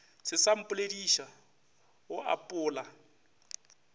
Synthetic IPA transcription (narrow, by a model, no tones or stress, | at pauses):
sɪsam̩pʼʊlediʃa | wɔʔa̰pʼʊːla